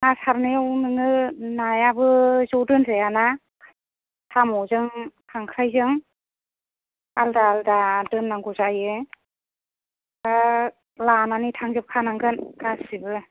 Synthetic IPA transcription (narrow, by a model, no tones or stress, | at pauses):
nasaɾnɯjawnɯŋɯnajabɯzɔwdɯnzejana | tʰamɔzɯŋkʰaŋkʰɾajzɯŋ | aldaːldadɯnːaŋɡuzajɯ | da | lananitʰaŋzɯp̚kʰanaŋɡɯnkasibɯ